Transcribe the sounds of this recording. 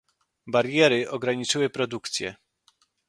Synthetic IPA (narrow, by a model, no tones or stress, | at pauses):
baɾjɛɾɘʔɔɡɾaɲit͡ʂɘwɘpɾɔd̪ukt̪sʲjɛ̰